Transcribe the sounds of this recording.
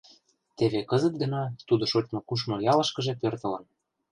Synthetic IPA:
t̪eβekɤzɤ̆t̪̚ɡɤ̆nɑt̪ud̪oʃot͡ɕmŏkuʃ̬mŏjɑlɤ̆ʃkɤ̆ʒepørt̪ɤ̆lɤ̆n

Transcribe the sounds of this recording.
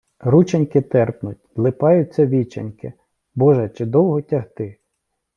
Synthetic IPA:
ɾut͡ʃɐnʲkɪt̪ɛrpnʊtʲlˠɪpɑjʊt͡sʲːɐʋʲit͡ʃɐ̰nʲkɪ̰ | bɔʒɛt͡ʃɪd̪ɔwɦɔtʲɐɦt̪ɪ

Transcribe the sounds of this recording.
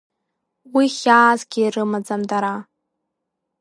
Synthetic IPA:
wiχʲaːzɡʲiːrɨmad͡zamdaɾa

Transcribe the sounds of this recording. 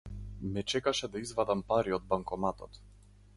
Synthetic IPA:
mɛt͡ʃɛkaʃɛd̪aizvad̪ampaɾiɔd̪̚baŋkɔmat̪ɔt̪

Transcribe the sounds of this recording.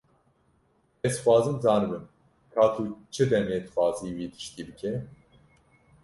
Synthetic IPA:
ɛzxʷɑːzɨmzɑːnɨbɨm | kʰaːt̪ʰuːt͡ʃʰɨd̪ɛmeːt̪ɨxʷɑːziːwiːd̪ɨ̥ʃt̪iːb̪ɨkʰɛ

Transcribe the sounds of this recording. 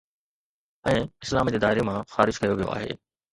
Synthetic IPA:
ɛ̃ːɪslaːmid͡ʑeːd̪aːɦɪɾemãxaːɾɪd͡ʑkɐjoʋijo̰a̰ːɦḛː

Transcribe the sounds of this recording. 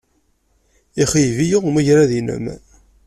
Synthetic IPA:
iχivijiʁməʝɾæðinə̰m

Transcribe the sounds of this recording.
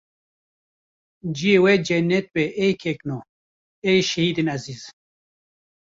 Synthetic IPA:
d͡ʒiewed͡ʒenet̪̚beʔejkʰekno | ejʃɐhid̪inɐziːz̥

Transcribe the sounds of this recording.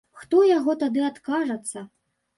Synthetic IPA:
xt̪ɔjaɣɔt̪ad̪ɨat̪kaʐɐt̪sːɐ

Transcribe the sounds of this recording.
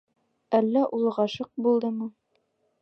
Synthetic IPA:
ælːæʔulˠʁɑʃɤq̚bulˠd̪ɤmɤ

